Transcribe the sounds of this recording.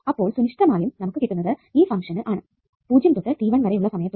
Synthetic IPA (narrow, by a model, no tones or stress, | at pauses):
ɐpːo̞ːɭsunɪʂʈɐmaːjumnɐmukːɨkeːʈːunːɐðɨiːfɐŋkʂɐnɨʔaːɳɨ | puːd͡ʑjɐmt̪uʈːɐʈiːʋɐnʋɐɾejuɭːɐsɐmɐjɐt̪ː